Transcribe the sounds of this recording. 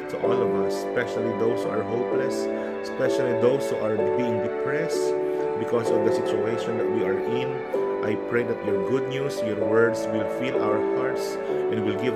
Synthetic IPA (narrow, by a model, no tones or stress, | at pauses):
t̪ʊʔɔlɔvɐs | pɛʃalid̪oʊshuaɹɦowplɛs | ɛspɛʃalid̪owshuʔaɹbiɪ̃ŋd̪ɪpɹɛsbɪkɔsɔvd̪ɐsɪt͡ʃʊejʃɔ̃nd̪ɐt̪̚wiaɹʔɪ̃n | ʔajpɹejd̪ɐt̪jɔɹɡʊd̪̚nusjɔɹwɜɹd̪swɪlfilʔa̰wəɹhaɹts | ʔɛ̃nwɪlɡɪv